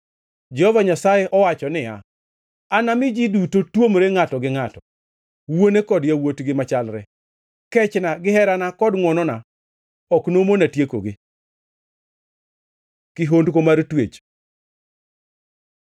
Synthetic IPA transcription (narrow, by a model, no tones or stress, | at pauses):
d͡ʒɛhɔvaɲasajɛʔɔwat͡ʃɔnɪja̰ | anamɪd͡ʒidutotwomɾeŋatɔɡɪŋatɔ | wonekɔdjawotɡɪmat͡ʃalɾɛ | kɛt͡ʃnaɡɪɦɛɾanakɔdŋwɔnɔna | ɔknomonatjeko̰ɡɪ | kɪɦondkomaɾtwet͡ʃ